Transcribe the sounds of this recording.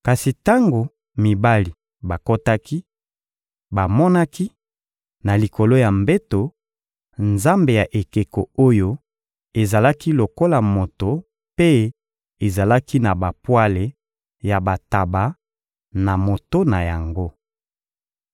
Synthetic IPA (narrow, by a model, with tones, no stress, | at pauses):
ka˨si˨ta˦ŋɡo˨ | mi˨ba˦li˨ | ba˨ko˦ta˦ki˦ | ba˨mɔ˦na˦ki˦ | na˨li˨ko˨lo˦ja˨mbe˦to˨ | nza˦mbe˨ja˨ʔe˨ke˨ko˨o˦jo˦ | e˨za˨la˦ki˦lo˨ko˦la˨mo˨to˨ | pe˦ | e˨za˨la˦ki˦na˨ba˨pwa˦le˨ | ja˨ba˨ta˨ba˨˦ | na˨mo˨to˦na˨ja˨ŋɡo˦